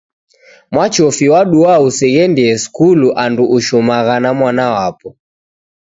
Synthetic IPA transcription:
mwat͡ʃɔfiwaɗuausɛɣɛndiɛskuluʔanduʔuʃumaɣanamwanawapɔ

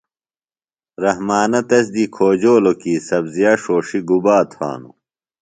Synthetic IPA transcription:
ɾɐhmaːnɐt̪ɐs̬d̪ikʰoːd͡ʑoːlokiːsɐbzijɐʂoːʂiɡubaːt̪ʰa̰ːnṵ

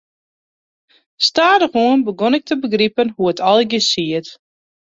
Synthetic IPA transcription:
staːdəxuənbəɡonɪk̚tʰəbəɡripənhuətʰɔlˠɡəsiət

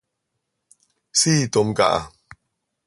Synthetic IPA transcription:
siːt̪omka̰ʔa̰

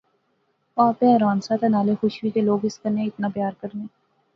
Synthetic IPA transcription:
paːpeɐɾaːnsat̪ɐnaːlexʊʃwikeloːɡɪskəneɪt̪napjaːɾkɐɾneː

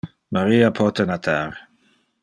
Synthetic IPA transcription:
maɾiapʰɔt̪ənat̪ʰaɾ

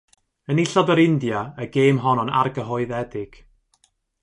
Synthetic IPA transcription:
ənɪɬɔdəɾɪndjaəɡeːmɦɔnɔna̰rɡəɦɔɨðɛdɪɡ̥

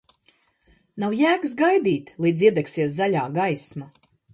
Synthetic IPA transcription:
nawjæːksɡajd̪iːt̪lˠiːd̪ziɛd̪ɛksiɛs̬zalʲaːɡajsma

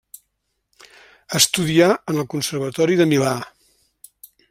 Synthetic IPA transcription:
əst̪uðiaənəlˠkunsərβ̞ət̪ɔɾiðəmila

